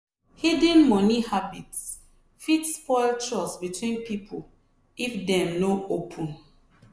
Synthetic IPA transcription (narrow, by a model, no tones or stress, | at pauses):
hidə̃nmɔnihabits | fitspɔɪltʰɹɔsbitʰwĩnpipʰol | ifdɛ̃mnoopʰũn